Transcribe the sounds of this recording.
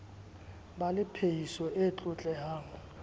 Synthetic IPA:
balɪpʰejisɔʔet͡ɬʼʊt͡ɬʼɛhaːŋɔ

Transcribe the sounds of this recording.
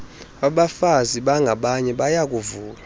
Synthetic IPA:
aɓafaziɓaŋɡʱaɓaɲɛɓajak̬ʼuvuːla

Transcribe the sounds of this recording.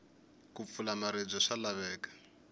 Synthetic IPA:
kup̪fulamaɾeb͡ʐɔʂalaβɛːkḁ

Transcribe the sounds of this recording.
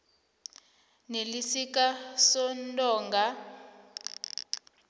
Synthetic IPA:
nelisik̬ʼasɔnntʼɔːŋɡa

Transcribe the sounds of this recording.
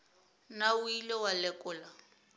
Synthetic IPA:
nauilɔwalɛkʼʊla

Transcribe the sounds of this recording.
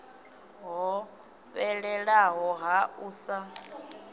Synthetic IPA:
ɦɔ | βɛɺɛɺaɦɔɦauːsa

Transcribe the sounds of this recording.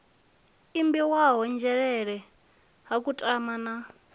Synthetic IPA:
imbiwaɦɔnd͡ʒɛɺɛɺɛ | ɦakutʼamana

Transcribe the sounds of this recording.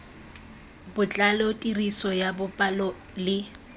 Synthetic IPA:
bʊt͡ɬʼalotʼirisɔjabʊpʼalɔ | lɪ

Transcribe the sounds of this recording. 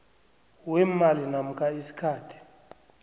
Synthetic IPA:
wɛmalinam̩kʰʼaisi̥kʰaːtʰi̥

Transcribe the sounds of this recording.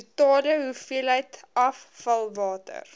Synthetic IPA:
ətɑːdəɦufiəlɦəjtɐfːɐlˠvɑːtə̰r

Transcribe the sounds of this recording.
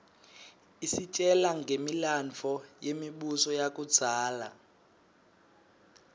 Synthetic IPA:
isit͡ʃʼɛlaŋɡʱemilant͡fʰɔjemiɓusɔjakʼud̥z̥ʱaːla

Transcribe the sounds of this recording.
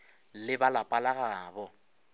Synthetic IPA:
lɪbalapʼalaɣaːbɔ

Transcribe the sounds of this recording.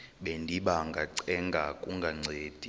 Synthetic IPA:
ɓendʱiɓaŋɡʱaǀɛŋɡʱakʼuŋɡʱaŋ͡ǀʱeːd̥ʱi

